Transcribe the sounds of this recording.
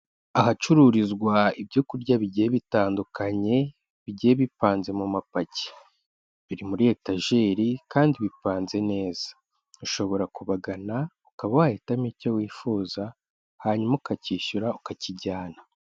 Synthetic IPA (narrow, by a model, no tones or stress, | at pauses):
ahat͡ʃuɾuɾizɡwaibjokuɾɟaβiɟijeβitaːndukaɲe̞ | βiɟeeβipaːnze̞mumapace̥ | βiɾimuɾietaʒe̞ːɾikaːndiβipaːnze̞ne̞ːz̥ḁ | uʃo̞βo̞ɾakuβaɡanaukaβawaheːtamicowiːfuːza | haɲumaukaciːʃuɾaukaciɟaːna